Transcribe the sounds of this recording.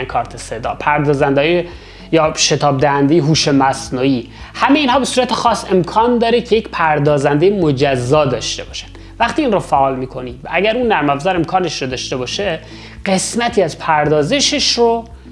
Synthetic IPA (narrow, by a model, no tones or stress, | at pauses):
nkʰɒːɾt̪ʰesed̪ɒ̰ːpʰæɾd̪ɒːzænd̪hɔje | jɒːʃe̞t̪ʰɒːb̚d̪æhænd̪ejeɦuːʃemæsnuːiː | hæmejeiːnɦɒːbe̞suːɾæt̪ʰexɒːse̞mkʰɒːnd̪ɒːɾecʰejecʰpʰæɾd̪ɒːzænd̪ejemod͡ʒæzːɒːd̪ɒːʃt̪e̞bɒːʃæ̥n̥ | væχt̪iːnrofæʔɒːlmiːkʰo̞niːd̪æɟæɾunːæɾmæfzæɾe̞mkʰɒːne̞ʃɾod̪ɒːʃt̪e̞bɒːʃe | ɢ̥e̞smæt̪ʰiːæzpʰæɾd̪ɒːze̞ʃeʃro